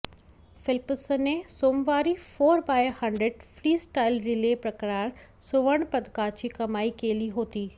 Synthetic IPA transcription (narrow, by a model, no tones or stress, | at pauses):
fɪlpsnẽsoːmʋaːɾifoːɾbaːjhɐ̃ɳɖɾeɖfɾiːsʈaːɪlɾɪleːpɾɐkɾaːɾ | sʊʋəɽ̃pɐd̪kaːt͡ɕikɐmaːikeːliɦoːt̪iː